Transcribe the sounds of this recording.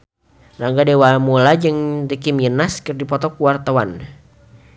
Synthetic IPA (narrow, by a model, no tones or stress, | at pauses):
raŋɡadewamulad͡ʒɨŋd̪ikiminaskɨrdipɔt̪ɔkuwart̪awan